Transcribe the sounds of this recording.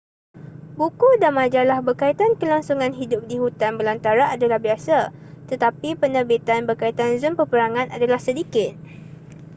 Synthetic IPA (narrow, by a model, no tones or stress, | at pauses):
bukudanmãd͡ʒalahbərkait̪ankəlaŋsuŋãnɦidʊp̚dihut̪anbəlant̪aɾaʔadalahbiasat̪ət̪apipənəbit̪anbəkait̪anzəmpəpəɾaŋãnʔadalahsədikɪt̪̚